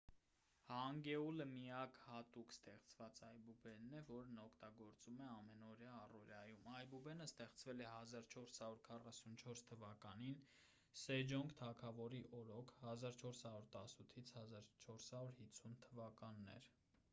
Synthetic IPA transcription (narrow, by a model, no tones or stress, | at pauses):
hɑŋɡɛuləmijɑkhɑt̪ukst̪ɛχt͡svɑt͡sɑjbubɛnːɛvɔɾnɔkʰt̪ɑɡɔɾt͡sumɛɑmɛnɔɾjɑːrɔɾjɑjumɑjbubɛnəst̪ɛχt͡svɛlɛɦɑzɑɾt͡ʃʰɔɾshɑɾuɾkʰɑrɑsunt͡ʃʰɔɾst̪ʰəvɑkɑnin | sɛd͡ʒɔŋɡt̪ʰɑkʰɑvɔɾiʔɔɾɔkʰhɑzɑɾt͡ʃʰɔɾshɑɾuɾt̪ɑsut̪ʰit͡sʰhɑzɑɾt͡ʃʰɔɾshɑɾuɾhit͡sʰːunt̪ʰəvɑkɑnːɛ̰ɾ